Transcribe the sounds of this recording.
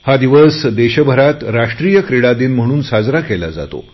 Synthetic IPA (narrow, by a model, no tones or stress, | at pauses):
had̪iʋəsd̪eɕəbʱəɾat̪ɾaʂʈɾijəkɾiɽad̪iːnm̤əɽ̃uːnsad͡zɾakɛla̰d͡za̰t̪o̰